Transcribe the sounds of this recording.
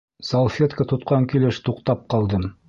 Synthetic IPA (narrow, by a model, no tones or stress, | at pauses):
solˠfʲet̪kət̪ŏt̪qɑŋkilɘʃt̪uqt̪ɑp̚qɑlˠd̪ɤm